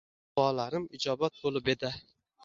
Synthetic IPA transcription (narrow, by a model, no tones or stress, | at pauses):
bɒlaɾɪmɪd͡ʒɒbat̪̚bolˠɪped̪a